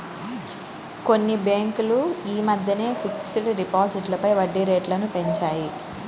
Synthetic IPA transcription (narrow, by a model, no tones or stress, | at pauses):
ko̞nːibeːŋkuluiːmɐd̪ʱjɐneːfʰiksiʈɖipaːsiʈlɐpɐjʋɐɖːiɾeːʈlɐnupe̞ɲt͡ʃaːji